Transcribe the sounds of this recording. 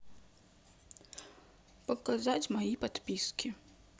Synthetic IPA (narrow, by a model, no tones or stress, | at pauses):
pɐkazat͡sʲmajipat̪pʲiskʲi